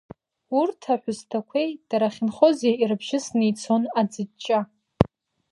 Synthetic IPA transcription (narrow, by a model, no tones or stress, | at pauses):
urtʰaħʷʊztʰakʷʰejd̥aɾaχʲɪnχo̞zeirɨbʒɪsnijt͡sʰonad͡zɨdt͡ʃʼa